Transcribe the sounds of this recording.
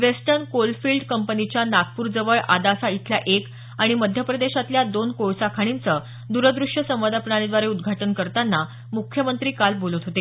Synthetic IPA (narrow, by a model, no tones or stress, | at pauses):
ʋesʈəɾnkolfilɖkəmpənit͡ɕjanaɡ̪̚puɾd͡zəʋəɭʔad̪asait̪ʰljaʔek | aɽ̃iməd̪ʱjəpɾəd̪eɕat̪ljad̪onkojsakʰaɽ̃int͡səː | d̪uɾəd̪ɾuʂjəsə̃ʋad̪apɳaɽed̪ʋaɾeud̪ɡʱaʈənkəɾt̪anːa | mukʰjəmənt̪ɾiːkalbolət̪ɦot̪e